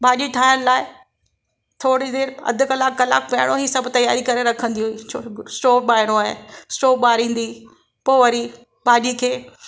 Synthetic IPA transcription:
bʱaːʄiʈʰaːɪəɽ̃ɪ̆laːɪ | t̪ʰoːɽid̪eːɾɐ̰d̪ʱʊ̆kɐlaːkːɐla̰ːkʰpɐɪɽ̃oɦiːsɐbʱʊ̆t̪ɐja̰ːɾikɐɾeɾɐkʰə̃nd̪iɦuiːt͡ʃʰosʈoːɓaːɦɪɾ̃õaːɦḛsʈoːɓaːɾĩːn̆d̪i | poːʋɐɾi | bʱaːʄikʰeː

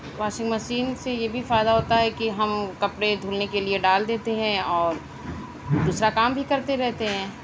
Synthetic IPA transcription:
ʋaːʃɪ̃ŋɡmɐʃiːnsejebʱifaːɪd̪aɦoːt̪aɦɛkiɦɐmkɐpɽed̪ʱuːlnekelieɖaːld̪eːt̪eɦɛ̃ɔːɾ | d̪uːsɾakaːmbʱikɐɾt̪eɾɛɦt̪eɦɛ̃ː

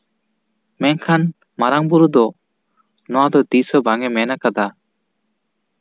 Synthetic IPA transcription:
mɛnkʰan | maɾaŋbuɾud̪ɔ | nɔwad̪ɔt̪isɔbaŋɛmɛnakad̪a

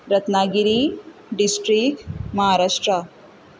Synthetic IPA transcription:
ɾɐt̪naːɡiɾiɖisʈɾik̚mɐɦaːɾaːʂʈɾɐ

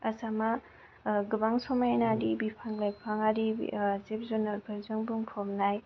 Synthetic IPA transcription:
asama | ɡubaŋsɔmajnadibipʰaŋlajpʰaŋaɾizip̚zunaɾbʱaɾzɯŋbuŋpʰɔmnaj

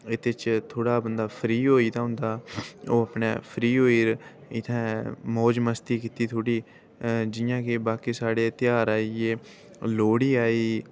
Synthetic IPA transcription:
ɪt̪et͡ʃt̪ʰoːɽaːbənd̪aːpʰɾiːɦoːiːd̪aːɦʊ̃nd̪aːoːapɳḛːpʰɾiːɦoːiːɾ | ɪt̪ʰɛ̃ːmɔːd͡ʒməst̪iːkiːt̪iːt̪ʰoːɽiː | d͡ʒɪjãːkebaːkiːsaːɽeːt̪ɪjaːɾaːieː | loːɽiːaːiː

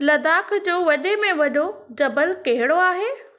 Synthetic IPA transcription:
lɐd̪aːkʰd͡ʑoːʋɐɗemẽʋɐɗʱod͡ʑɐbəlkɐɦɪɽoaːɦeː

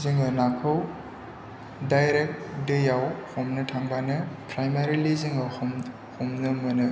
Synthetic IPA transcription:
ziŋɯnakʰɐw | dajɾek̚dɯjawhɔmnɐtʰaŋbanɯpɾajmaɾiliziŋɐhm | homnɐmɐnɯ

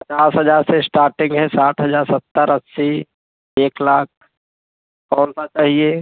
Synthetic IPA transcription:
pət͡ʃaːsɦəd͡ʒaːɾsesʈaːɾʈɪ̃ŋɡɦɛsaːʈʰɦəd͡ʒaːɾsət̪ːəɾəssi | eːklaːk̚ | kɔːnsat͡ʃaːɦie

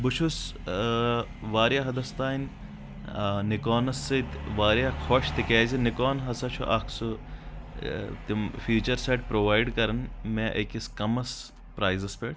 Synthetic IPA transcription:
bʊt͡ʃʰus | ʋaːɾjaɦɐd̪ɐst̪aːinʲ | nɪkoːnɐsːɐt̪ʋaːɾjakʰoːʃt̪ikeːzinikoːnɦɐsɐt͡ʃʰuʔɐksu | t̪imfuːt͡ʃɐɾseːʈ̚pɾoːʋaːjɖkɐɾɐnmẽʔɐkiskɐmɐs | pɾaːjzɐspeːʈ

